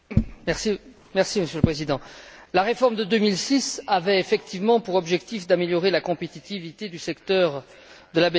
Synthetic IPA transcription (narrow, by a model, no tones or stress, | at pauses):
mɛʁsi | mɛʁsiməsjøləpχezid̪ɑ̃laʁefɔʁmd̪əd̪ømilsisavɛefɛkt̪ivmɑ̃puʁɔbʒɛkt̪ifd̪ameljɔʁelakɔ̃pet̪it̪ivit̪ed̪ysɛkt̪œʁ | d̪əlabɛ